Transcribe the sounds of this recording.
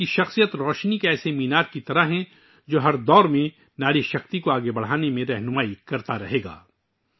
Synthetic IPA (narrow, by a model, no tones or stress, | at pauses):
iʃɐxsijət̪ɾɔːʃnikeɛːsemiːnaːt̪̚kit̪ɐɾaɦɛ̃ | d͡ʒoːɦɐɾd̪ɔːɾmẽ | naːɾiʃɐxt̪ikoaːɡebɐɽ̤aːnemẽɾɛɦnʊmaːikɐɾt̪aɾɐ̰ɦeːɡa̰ː